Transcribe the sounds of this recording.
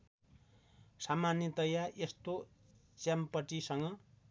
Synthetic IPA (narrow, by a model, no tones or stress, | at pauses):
samanjʌt̪ʌjaest̪o | t͡sampʌʈisʌŋɡʌ